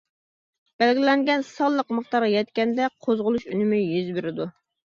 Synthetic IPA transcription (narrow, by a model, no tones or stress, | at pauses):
b̥ɛlɡʲilɛŋɡʲɛnsɑlˠːəqməχt̪ɑɾʁɑjɛt̪̚kʲɛnd̪ɛqʰozʁʊlˠuʃynɪmyjyzbyɾɪd̪u